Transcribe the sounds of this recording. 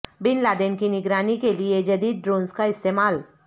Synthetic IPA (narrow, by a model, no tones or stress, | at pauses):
binlad̪enkiniɡɾanikelied͡ʒəd̪iːd̪̚ɖɾonskaist̪emal